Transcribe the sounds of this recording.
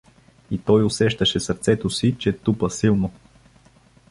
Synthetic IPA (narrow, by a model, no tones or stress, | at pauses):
it̪ɔjʊsɛʃt̪əʃɛsəɾt̪sɛt̪osit͡ʃɛt̪upəsilˠno